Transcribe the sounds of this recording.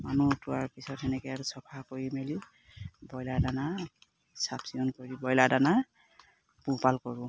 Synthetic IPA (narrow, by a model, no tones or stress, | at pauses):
manutʊaɹpisɔtɛnɛkɛaɹsɔpʰakoɹimeli | bɔjladana | sapsiɔnkoɹibɔjladana | pupalkɔɹʊ̃